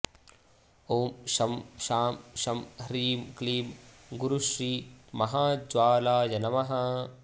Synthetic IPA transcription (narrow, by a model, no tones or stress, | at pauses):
oːmʃɐmʃaːmʃɐmɾiːmkliːmɡuɾuʃɾiːmɐɦaːd͡ʒʋaːlaːjɐnɐmɐɦɐ